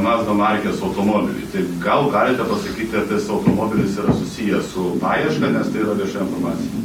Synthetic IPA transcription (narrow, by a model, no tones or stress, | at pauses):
mɑːznomɐrʲkʲeːsɐʊt̪oːmoːbʲɪ̰lʲʊ̰t̪ɐɪɡɐlˠɡɑːlʲɪt̪ʲɛpɐsɐkʲiːt̪ʲɐpʲɛsɐʊt̪oːmoːbʲɪlʲɪsiːɾɐsʊsʲijɛsʊpɑːjɛʃkɐnʲɛst̪ɐɪiːɾɐʋʲiɛʃɑːjɪnfoɾmɑːt̪sʲɪjɛ